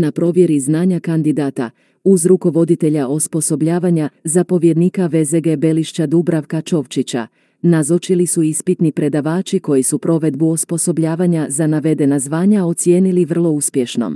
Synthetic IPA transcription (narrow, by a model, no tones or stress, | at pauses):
napɾo̞ʋje̞ɾiznaːɲakand̪id̪aːt̪a̰ | uzɾuko̞ʋo̞d̪it̪e̞ʎaʔospo̞so̞bʎaːʋaɲazapo̞ʋje̞d̪nikaʋezeɡebeliʃt͡ɕad̪ubɾaʋkat͡ʃo̞ʋt͡ʃit͡ɕa̰ | nazot͡ʃilisuispit̪nipɾe̞d̪aʋaːt͡ʃiko̞jisupɾo̞ʋe̞d̪buospo̞so̞bʎaːʋaɲazanaʋe̞d̪e̞nazʋaːɲao̞t̪sje̞ːniliʋr̩lˠo̞uspje̞ʃno̞̰m